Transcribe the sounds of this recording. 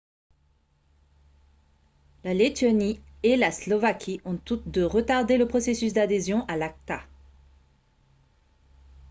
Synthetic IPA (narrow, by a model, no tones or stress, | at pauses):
lalet̪ɔnielaslɔvakʲʰiɔ̃t̪ut̪d̪əʁət̪aʁd̪eləpχɔsesys̬d̪ad̪ezjɔ̃ʔalak̚t̪a